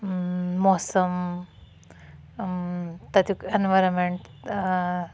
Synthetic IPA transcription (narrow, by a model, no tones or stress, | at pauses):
ɔsəm | t̪ɐt̪ukenʋajɾənmeɳʈ